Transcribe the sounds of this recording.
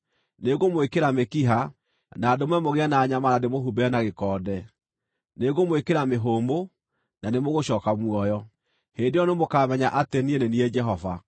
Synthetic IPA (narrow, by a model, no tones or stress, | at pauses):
neɣomoekeɾamekiɦa | naːdomwɛmoɣeanaːɲamanademoɦubɛnaɣekɔːdɛ | neɣomoekeɾameɦoːmbo | nanemoɣoɕɔːkamwɔjɔ | heːndejɔnemokaːmɛɲaʔatenieneniɛd͡ʒɛɦɔva̰